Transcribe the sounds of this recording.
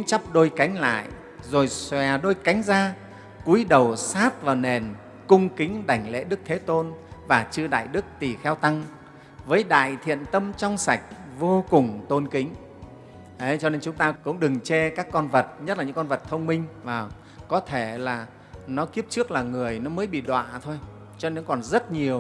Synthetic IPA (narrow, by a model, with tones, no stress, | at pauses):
ʊ̰˧˥˦ŋt͡ɕa˦˥p̚ɗo˧jka˨˦jŋ̟la̰ː˧˨j | zo˨˩jswɛ˨˩ɗo˧jka˨˦jŋ̟zaː˧ | ku˨˦jɗə˨˩wsaː˦˥t̚vaː˨˩wne˨˩n | kʊ˧ŋ͡mkï˨˦ŋ̟ɗa˨˧˩jŋ̟lḛ˧˥ɗɨ˦˥k̚t̪ʰe˨˦t̪o˧nvaː˨˩t͡ɕɨ˧əɗa̰ː˧˨jɗɨ˦˥k̚t̪i˨˩xɛ˧wt̪a˧ŋ | vəː˨˦jɗa̰ː˧˨jt̪ʰḭ˧˨ənt̪ə˧mt͡ɕɔ˧wŋ͡msa˨˩jk̟̚vo˧kʊ˨˩ŋ͡mt̪o˧nkï˨˦ŋ̟ | ʔə˨˦jt͡ɕɔ˧ne˧nt͡ɕʊ˨˦ŋ͡mt̪aː˧kʊ̰˧˥ŋ͡mɗɨ˨˩ŋt͡ɕɛ˧kaː˦˥kːɔ˧nvə˨˩t̚ɲə˦˥t̚laː˨˩ɲɨ̰˧˥ŋkɔ˧nvə˨˩t̚t̪ʰə˧wŋ͡mmï˧ŋ̟vaː˨˩w | kɔ˨˦t̪ʰe˧˩laː˨˩ | nɔ˨˦ki˦˥əp̚t͡ɕɨ˦˥ək̚laː˨˩ŋɨ˨˩əjnɔ˨˦məː˨˦jɓḭ˧˨ɗwa̰ː˧˨t̪ʰo˧j | t͡ɕɔ˧ne˧nkɔ˨˩nzə˦˥t̚ɲi˨˩əw